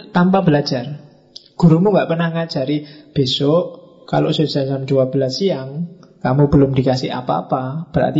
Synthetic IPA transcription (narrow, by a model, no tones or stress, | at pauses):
t̪ampabəlḁd͡ʒ̥ar | ɡ̥ṳɾumuŋɡaʔpərnahŋad̥ʒ̥a̤ɾib̥e̤sɔʔ | ka̰lo̰ʔsu̥sasamd͡ʒuwab̥əlasiaŋkamub̥əlʊmd̪ikasɪ̰ha̰pa̰ːpab̥əɾa̰rt̪i